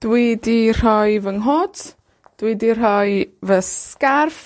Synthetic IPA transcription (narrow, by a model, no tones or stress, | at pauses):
d̥widir̥ɔjvəŋɦɔt | d̥widir̥ɔjvəskarf